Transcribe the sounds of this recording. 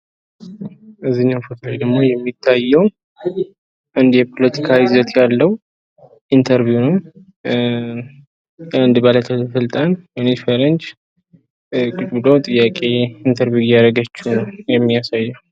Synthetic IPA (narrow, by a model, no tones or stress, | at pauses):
ɨzːiɲːawfot̪ʰlajd̪əɡmo̞jɛmːit̪ʰːajːɛw | ʔɨnd̪jɛpʰo̞lət̪ʰi̥kʰaɪzət̪jalːəw | ʔint̪ʰəɾvijunəw | ɨnd̪bələt̪ʰəsɨlt̪ʼanmenefeɾənt͡ʃ | kʼɨt͡ʃʼbɨlot̪ʼɨjːakʼe̞int̪ʰəɾvjujaɾəɡət͡ʃːɪhnəwjɛmːijasajːɛw